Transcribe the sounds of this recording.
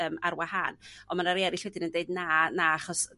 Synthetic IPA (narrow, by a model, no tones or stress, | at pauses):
əːmarwahanɔmanaɾɛɾɪɬwɛdɪnəndeɨdnanaaχɔs